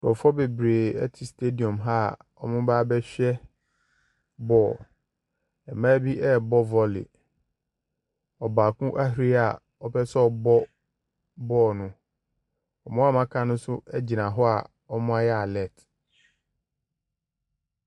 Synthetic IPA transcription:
dɔ˨fɔ˦be˨bɾeː˨ɛ˦tʰɪ˨stʰe˦di˨ɔ̃˨mɦa˦˨ | ɔ˨mʊ̃˦baː˦bɛ˦ɕᶣɛ˦ | bɔː˦˨ | ɛ˨mãː˦bi˦ʔɛ˦bɔ˦vɔ˦lɪ̰˨ | ɔ˨baː˨kũ˦ʔa˦ɦi˨˦ɾi˦a˨ | ɔ˦pʰɛ˦sɛ˦ɔ˨bɔ˦ | bɔː˦˨nʊ̃˨ | ɔ˨mʊ̃˦a˦mã˦kʰã˦nʊ̃˦sʊ˦ɛ˦d͡ʑi˨nã˨ɦɔ˦a̰˨ | ɔ˦mʊ̃˦a˦jɛ˦a˨lɛ˨t

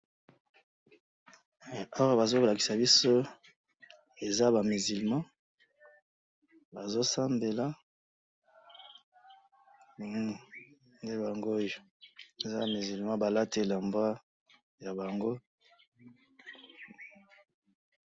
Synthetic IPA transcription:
a˦a˦˨ba˨zo˦ko˨la˨ki˨sa˨bi˦so˦ | e˨za˦ba˨mi˨zi˨lmã˦ | ba˨zo˦sa˦mbe˨la˦˨ | nde˦ba˨ŋɡo˦jo˨ | e˨za˦˨mi˨zi˨lmã˦ba˨la˦te˦˨la˨mbwa˦ | ja˨ba˨ŋɡo˦

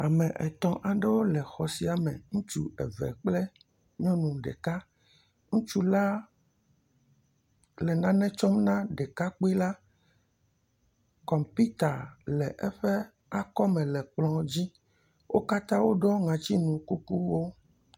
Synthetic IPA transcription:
a˨mɛ̃˨ʔɛ̰˨t̪ɔ̃˨ʔa˨ɖe˦wo˦lɛ˨xɔ˨si˦a˨mɛ̰̃˨ŋũ˦t͡ʃu˦ɛ˨vɛ̰˨k͡plɛ˦ | ɲɔ̃˦nũ˨ɖɛ̰˨ka˦ | ŋũ˦t͡ʃu˦la˦ | lɛ˨nã˦nɛ̃˦t͡ʃɔ˦mnã˦ɖɛ˨ka˦k͡pe˦la˦ | kɔ˨mpi˦t̪a˨lɛ˨ʔɛ˦ɸɛ˦ | a˦kɔ˦mɛ̃˨lɛ˨k͡plɔ̃˨d͡ʑi˦ | wo˦ka˦t̪ã˦wo˦ɖɔ˦ŋã˨t͡ɕi˦nũ˨ku˦ku˦wo˦

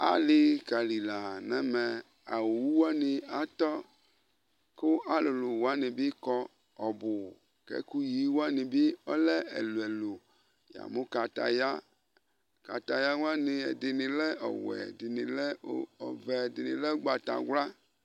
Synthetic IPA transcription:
a̰˨lɪ˨ka˨li˨la˨nɛ˦mɛ˨ | a̰˨wu˨wu˦wa˦ni˨a˨t̪ɔ˦ | kʊ˦ʔa˦lo˨lu˨wa˦ni˨bi˦kɔ˦ | ɔ˨bʊ˨ | kɛ̰˦ku˦ji˦wo˦a˦ni˨bi˦ɔ˦lɛ˦ḛ˨lu˨e˨lo˨ | ja̰˨mo˦ka˨t̪a̰˨ja˦ | ka˨t̪a˨ja˦wa˦ni˨e˨dɪ˨nĩ˨lɛ˦ʔɔ̰˨wɛ̰˨di˨nĩ˨lɛ˦ɔ̰˨vɛ˨dɪ˨nĩ˨lɛ˦ɡ͡ba˨t̪a̰˨ɡʷla˦

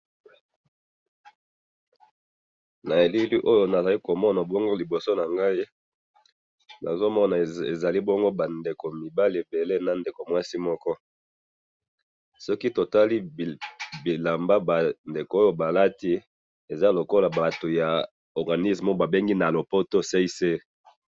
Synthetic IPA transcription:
na˨e˨li˦li˦ʔo˦jo˨na˨za˨li˦ko˨mɔ˦na˨bo˦ŋɡo˦li˨bo˨so˦na˨ŋɡa˦i˦ | na̰˨zo˦mɔ˦na˨e˨za˨li˦bo˦ŋɡo˦ba˨nde˨ko˨mi˨ba˦li˨e˨be˨le˦na˨nde˨ko˨mwa˦si˦mɔ˦kɔ˦ | sɔ˦ki˦to˨ta˦li˦ | bi˨la˨mba˦ba˨nde˨ko˨˦o˦jo˨ba˨la˦ti˦ | e˨za˦lo˨ko˦la˨ba˨to˨ja˨ | ɔ˨ʁɡa˨ni˦smo˦ba˨be˦ŋɡi˦na˨lo˨po˦to˦se˦i˦se˦

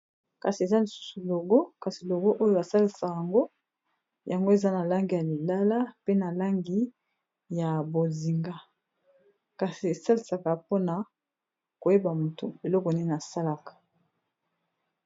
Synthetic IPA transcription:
ka˨si˨e˨za˦li˨su̥˦su˨lo˨ɡo˦ka˨si˨lo˨ɡo˦ʔo˦jo˨ba˨sa˦li˨sa˨kja˨ŋɡo˦ | ja˨ŋɡo˦e˨za˦na˨la˦ŋɡi˨ja˨li˨la˦la˦pe˦na˨la˦ŋɡi˨ | ja˨bo˨zi˨ŋɡa˦ | ka˨si˨e˨sa˦li˨sa˨ka˨po˦na˨ | ko˨je˦ba˨mo˨tu˨e˨lɔ˦kɔ˨ne˦na˨sa˦la˦kḁ˨

